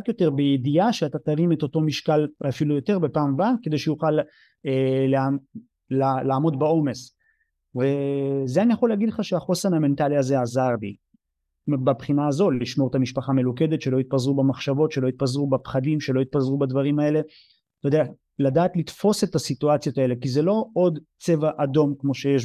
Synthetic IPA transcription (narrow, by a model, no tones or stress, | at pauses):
atjo̞te̞ʁbejediaʃeatataʁimet̪o̞to̞miʃkalvafilujo̞te̞ʁbe̞paːmbake̞d̪e̞jʃejuχal | elea | lalaːmo̞dbao̞me̞s | vezeanijaχo̞leaɡid̪leχaʃeaχo̞sename̞nt̪aliaze̞azaʁbi | bapχinaːzo̞liʃmo̞et̪amiʃpaχame̞luke̞d̪etʃe̞lo̞it̪̚pazʁubemaχʃavo̞tʃelo̞it̪̚pazʁubapχadimʃelo̞it̪̚pazʁubad̪vaʁimae̞le̞ | t̪od̪eja | ladaːt̪lit̪fo̞se̞tasit̪uat͡sijo̞t̪ae̞le̞kizelo̞o̞d̪ | t͡se̞vaʔado̞mkmo̞ʃe̞jeʃ